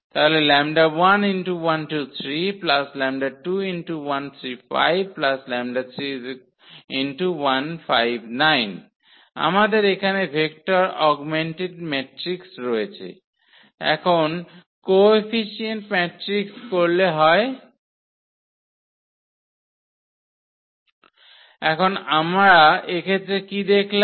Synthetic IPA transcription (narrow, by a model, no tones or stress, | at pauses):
t̪aɦolelɛmɖabwaninʈuwanʈut̪ʰɾiplaslɛmɖaʈuinʈuwant̪ʰɾifa̰jb̚ʱplaslɛmɖat̪ʰɾi | inʈuwanfajbʱnajn | a̰mad̪eɾekʰanebʱek̚ʈaɾɔɡmeɳʈeɖmɛʈɾiksɾɔjet͡ɕʰḛ | ɛ̰kʰon | koefiʃienʈmɛʈɾikskoɾleɦɔe | ɛkʰonamɾaekʰet̪ɾekid̪ekʰla